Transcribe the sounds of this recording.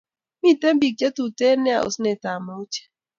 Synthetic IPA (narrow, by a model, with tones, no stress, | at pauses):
mi˦˨te˦m̩˦bi˨t͡ʃe˦tu˨te˦ne˦a̰˨ʔo̰˨si˦ne˨ta˨mo˦t͡ʃe̥˦